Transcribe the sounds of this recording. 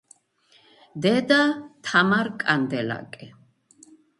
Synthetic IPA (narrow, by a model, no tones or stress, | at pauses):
d̪ɛd̪at̪ʰamaɾkʼand̪ɛla̰kʼɛ